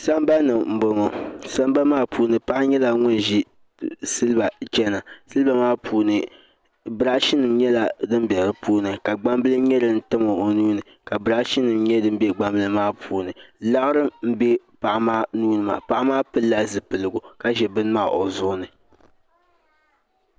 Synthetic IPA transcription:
sa˦mba˦nɨ˨m̩˨bo˨ŋɔ˨sa˦mba˦maː˦pʰuː˨nɨ˨pa˦ʔa˦ɲɛ˦la˨ŋʊ˦n˨ʒi˦ | sɨ˦lɨ˦ba˨t͡ʃɛ˦na˨sɨ˦lba˨maː˦pʰuː˨nɨ˨ | bɾa˦ʃi˦nɨ˨mɲɛ˦la˨dɨ˦m˦bɛ˨ɾɨ˦puː˦nɨ˨ka˨ɡ͡ba˦mbɨ˦lɨ˦ɲɛ˦lɨ˨n̩˦tɨ˦mo˨o˨nuː˦nɨ˨ | ka˨bɾa˦ʃi˦nɨ˨mɲɛ˦dɨ˦m˦bɛ˦ɡ͡ba˦˨mbɨ˨lɨ˦maː˦pʰuː˨nɨ˨la˦ɣɨ˦ɾɨ˦m̩˦bɛ˦ | pa˨ʔa˦maː˦nuː˦nɨ˦˨ma̰˨pa˦ʔa˦maː˦pɨ˦lːa˦zɨ˨pɨ˨lɨ˨ɡʊ˨ka˦ʒɛ˨bɨ˦n˦maː˦˨ʔo˨zʊ˦ʔʊ˦nɨ˨

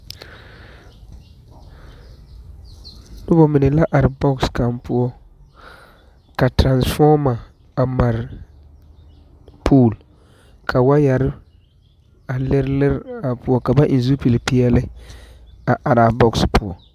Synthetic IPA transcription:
nʊ˦bɔ˦mɪ˨nɪ˨la˦ʔa˨ɾɪ˨bɔ˦kska˨mpʊ˦ɔ˦ | ka˨tɾa˨nsfɔ˦ma˨ | a˨ma˨ɾɪ˨ | pʰuː˦˨l | kʰa˨wa˦ja˨ɾɪ˦ | a˨lɪ˦ɾlɪ˦ɾa˨pʊ˦ɔ˦ka˨ba˦ʔɪ˨n˦zu˦pi˨lɪ˨pi˦jɛ˦lɪ˦ | a˨ʔa˨ɾa˨bɔ˦kspʊ˦ɔ˨

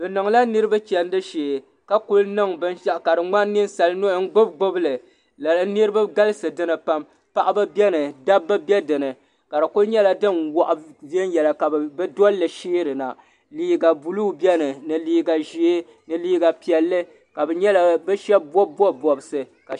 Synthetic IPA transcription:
bɨ˨nɨ˨ŋ˨la˦nɨ˦ɾɨ˦ba˦t͡ʃɛ˨n˦dɨ˦ʃeː˨ | ka˦ku˦lnɨ˦ŋbɨ˦nʃa˦ʔka˨dɨ˨ŋ͡ma˦nː˦ɨ˦n˦sa˨lno˦˨˦ŋ̩˦ɡ͡bʊ˦bɡʊ˦blɨ˨ | la˨lnɨ˦ɾɨ˦ba˦ɡa˦lɨ˦sɨ˨dɨ˦nɨ˨pa˦m | pa˦ʔa˦bɨ˦bjɛ˦nɨ˨da˦bːa˦bjɛ˦dɨ˨nɨ˨ | ka˨dɨ˨ku˦lɲɛ˦la˦dɨ˦nwɔ˦ʔa˦vi˦ɛ˦n˦jɛ˨la˨ka˨bɨ˦dɔ˦lːɨ˨ʃiː˦ɾɨ˨na̰˨ | liː˦ɡa˨bu˨lu˦bjɛ˦nɨ˨nɨ˨liː˦ɡa˨ʒi˦e˦ | nɨ˨liː˦ɡa˨pi˨ɛ˨lːɨ˦ | ka˨bɛ˨ɲɛ˦la˦bɨ˦ʃɛ˦b̚bɔ˦bɔ˦bɔ˨bɨ˨sɨ˨ | ka˨

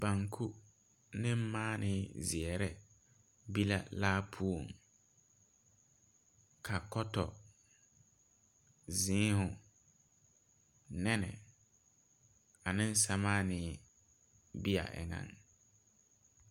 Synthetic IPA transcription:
ba˨ŋkʰu˦ | nɪ˦m˦maː˦nʔɪː˦zɪ˨ɛ˨ɾɛ˦ | bi˦la̰˦laː˦pʰu˦o˨ŋ | kʰa˨kɔ˦tɔ˨ | zɪ̃ː˦hʊ̃˨ | nɛ˦nɛ̰˨ | a˨nɪ̃˦n̩˦sa˦maː˦nɪː˦ | bi˦a̰˨ʔɛ̰˨ŋã̰˨ŋ

